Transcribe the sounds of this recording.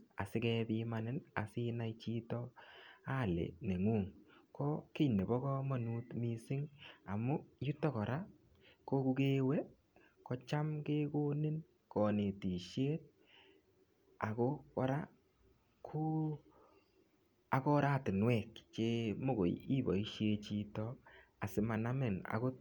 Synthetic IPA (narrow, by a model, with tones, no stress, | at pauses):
a̰˨sɪ˦kɛ˦bi˦ma˦nɪ˦na̰˨sɪ˦na˦it͡ʃi˦tɔ˦a˦˨lḛ˨ne˨ŋu˦˨ŋkɔ˦ke˦ne˨bɔ˦kɔ˦ma˦nu˦tmi˦sɪ˦ŋa˨mʊ˦ju˦tːɔ˦kɔ˨ɾʔa˦ | ko˦ku˦ke˦wɛ˦ | kɔ˦t͡ʃa˦mke˦ko˦nɪ˦n | kɔ˨ne˨ti˨ʃje˦t̚ | a˨ko˦kɔ˦ɾa̰˦ | kʰu˦ | a˨kɔ˦ɾa˦˨tɪ˨nwɛ˨kt͡ʃe˦mo˦˨ɡo̰˨ji˦bɔ˨i˦ʃje˦t͡ʃi˦tɔa˨sɪ˨ma˨na˦mɪ˨na̰˨ko˦